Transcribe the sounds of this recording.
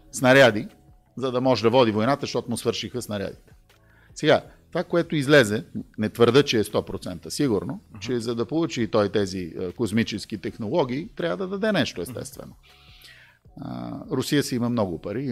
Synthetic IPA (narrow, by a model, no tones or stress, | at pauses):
snɐɾʲad̪i | zɐd̪ɐmɔʒɛd̪ɐvɔd̪ivojnat̪əʃt̪ɔt̪ʊmʊsvɤɾʃixəsnɐɾʲja̰d̪it̪ɛ̥ | sɛɡat̪ovakoɛt̪ʊizlɛzɛnɛt̪vəɾd̪ɤt͡ʃɛːst̪ɔpɾot̪sɛnt̪əsiɡʊɾnot͡ʃɛzɐd̪ɐpolˠut͡ʃit̪ɔit̪ɛzikosmit͡ʃɛsk̟it̪ɛxnolˠɔɡ̟iːt̪ɾʲavəd̪ɐd̪ɐd̪ɛnɛʃt̪oɛst̪ɛ̰st̪vɛ̰no | ɾʊsijəsɛiməmnɔɡʊpɐɾi